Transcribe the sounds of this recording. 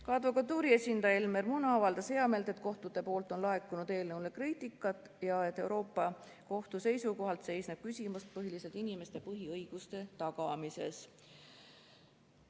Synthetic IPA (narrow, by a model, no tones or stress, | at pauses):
kɑd̪vokˑɑt̪ːuːɾie̞sʲind̪̥ɑjɑelme̞rmunɑɑvɑld̪ɑsheɑme̞lt̪e̞t̪̚ko̞ht̪ut̪e̞po̞ːlt̪ːˑo̞nlɑekːˑunud̪̥e̞ːlnɤwlekriːt̪ikːˑɑt̪ːˑ | jɑet̪ːˑe̞wɾo̞ːpˑːɑ | ko̞ht̪use̞jsuko̞ɦɑlt̪se̞jsneb̥̚kysʲimust̪̚pɤɦiliset̪inime̞st̪e̞pɤɦiɤjɡ̥ust̪e̞t̪ɑkɑmise̞̰s